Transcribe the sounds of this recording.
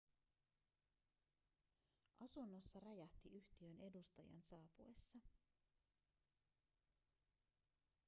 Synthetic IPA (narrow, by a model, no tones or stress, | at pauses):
ʔɑsunːo̞sːɑrɑjɑht̪iʔyht̪iø̞ne̞dust̪ɑjɑ̰nsɑːpuesːɑ